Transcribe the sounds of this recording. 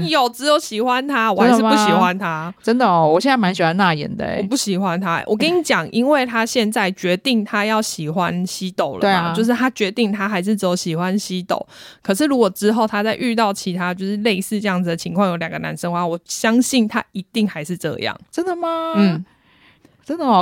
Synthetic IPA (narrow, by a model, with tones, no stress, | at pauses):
i˨jo˨˩ʊt͡sɻ̩˧˥jo˧˥ɕi˨˩xwa˦nt̪ʰa˥wɔ˨˩a˦ʂ̩˥˧pu˥˧ɕi˨˩xwa˦nt̪ʰa˦ʈ͡ʂə˦nd̪ə˨˦wɔ˨˩ɕjɛ˥˨na˥˩ma˧˦nɕi˨˩wa˧˦na˥˩jɛ̰˨˦nd̪ə̰˧ɔ˨p̬u˥˩ɕi˨˩xwa˦nt̪ʰa˦wʔɔ˨˩kə˦˥ni˨˥t͡ɕjɑ˨˩ŋʔi˦nwe˥˩ɪt̪ʰa˥ɕjɛ˥˧nt͡sa˥˩ɪt͡ɕɥɛ˧˥t̪i˥˩ŋt̪ʰa˥jɑ˥˩ʊɕi˨˩xwa˦nɕi˦˥t̪o˨˩ʊləwe˥˩t͡ɕjo˥˧ʊʂ̬̩˥˩t̪ʰa˥t͡ɕɥɛ˧˥t̪i˥˩ŋt̪ʰa˥xa˧˥ɪʂ̬ɻ̩˥˩t͡s̩˧˥jo˨˧˩ɕi˨˩xwa˦nɕi˦t̪o̰˨˩˦ʊ | kʰɤ˨˩ʂ̬ɻ̩˥˩lu˧˥kwɔ˨˩ʈ͡ʂɻ̩˦xo˥˩ʊt̪ʰa˥t͡sa˥˧ɪʔy˥˧t̪ɑ˥˩ʊt͡ɕʰi˧˥t̪ʰa˥t͡ɕjo˥˧ʊʂɻ̩˥˧le˥˧ɪsɹ̩˥˧ʈ͡ʂɤ˥˧jɑ˥˩ŋd͡z̩˩d̪ə˩t͡ɕʰi˧˥ŋkʰwɑ˥˩ŋjo˧˥ʊljɑ˨˩ŋɡə˦na̰˧˦nʂə˥˧ŋxwa˧˩wɔ˨˩ɕjɑ˦˥ŋɕi˥˩nt̪ʰa̰˦i˧˥t̪i˥˩ŋxa˧˥ɪʂɻ̩˥˧ʈ͡ʂɤ̰˥˧jɑ̰˥˩ŋʈ͡ʂə˦˥nd̪ə˨ma˨n̩˥˩ | ʈ͡ʂə˦˥nd̪ə˨˩